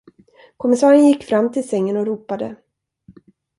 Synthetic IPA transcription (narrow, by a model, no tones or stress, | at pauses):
kʰɔmːɪsɑːɾənjɪkːfɾamːt̪ʰɪlsɛŋːənɔɾuːpad̪ə